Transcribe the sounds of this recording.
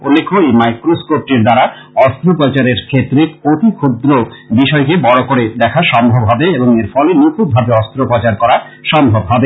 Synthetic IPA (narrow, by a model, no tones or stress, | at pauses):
olːekʰoejmajkɾoskop̚ʈiɾd̪aɾa | ɔst̪ɾopɔt͡ɕaɾeɾkʰet̪ːɾekot̪ikʰod̪ɾobiʃɔekebɔɽokoɾed̪ɛkʰaʃɔmbʱobɦɔbeeboŋeɾfɔlenukʰubʱabeɔst̪ɾopɔt͡ɕaɾkɔɾa | ʃɔmbʱobɦɔbe